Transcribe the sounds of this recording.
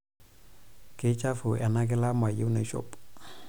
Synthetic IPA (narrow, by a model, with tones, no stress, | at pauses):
ke˦t͡ʃa˦fu˨ʔɛ˨na˦k̬ɪ˦la˦ma˨ji˦wna˨ʃo̰˦p